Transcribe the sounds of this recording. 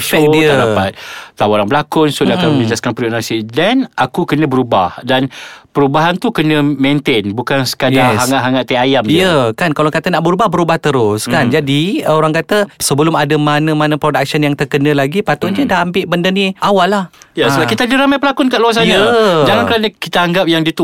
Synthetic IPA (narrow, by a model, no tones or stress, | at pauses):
fɛk̚diədapat̪̚lawaɾaŋbəlakʊnsudakamənid͡ʒaskanpɾinasidɛnakukənə̃bəɾubahdanpəɾubaɦant̪ukənə̃mẽnt̪enbukansə̥kajdaɦaŋaʔɦaŋaʔt̪aajamijəkankalakat̪ənaʔbəɾubahbəɾubaht̪əɾʊskand͡ʒadioɾaŋkat̪əsəbəlʊmadəmanə̃manəpɾodak̚sənjaŋt̪ərkənə̃laɡipat̪ʊʔɲd͡ʒədaɦambɪʔbəndəniʔawalːahijasəlakit̪adiɾamajpəlakʊnkaʔluas̬ajnaəd͡ʒaŋankəɾanəkit̪aaŋɡap̚jaŋdit̪u